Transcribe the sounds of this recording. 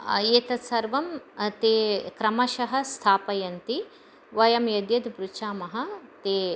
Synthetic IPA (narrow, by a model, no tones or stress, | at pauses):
eːt̪ɐsɐɾʋɐmt̪eːkɾɐmɐʃɐɦɐ̆st̪ʰaːpɐjɐnt̪i | ʋɐjɐmjɐd̪jɐd̪bɾut͡ʃaːmɐɦɐ̆t̪eː